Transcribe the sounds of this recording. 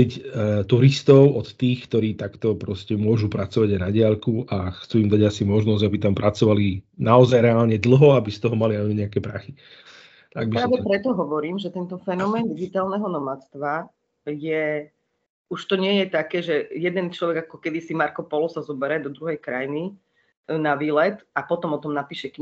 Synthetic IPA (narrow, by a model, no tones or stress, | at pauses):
ict̪uɾist̪ɔʊɔt̪t̪iːxkt̪ɔɾiːt̪akt̪ɔpɾɔscɛmʊɔʒupɾat͡sɔʋaɟajnaɟɪalkuʔaxt͡suːimd̪aɟasimɔʒnɔzɟabit̪ampɾʔat͡sɔʋalinaɔzajɾɛaːlɲɛd̪l̩ɦɔabist̪ɔɦɔmaliaɲiɲɛakɛːpɾaxi | t̪aɡ̚biɾaʋɛpɾɛt̪ɔɦɔʋɔɾiːmʒɛt̪ɛnt̪ɔfɛnɔmɛːnd̪iɡit̪aːlnɛɦɔnɔmat͡st̪ʋa | jɛ | uʃt̪ɔɲɪɛjɛt̪akɛːʒɛjɛd̪ɛnt͡ʃlɔʋɛɡakɔkɛd̪isimaɾkɔpɔlɔsazɔbɛɾɛd̪ɔd̪ɾuɦɛjkɾajni | naʋiːlɛt̪apɔt̪ɔmɔt̪ɔmnapiːʃɛki